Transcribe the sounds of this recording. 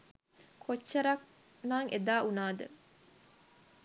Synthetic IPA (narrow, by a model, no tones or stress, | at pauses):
kʰot͡ʃːɐɾɐk | naŋʔed̪aːʔunaːd̪ə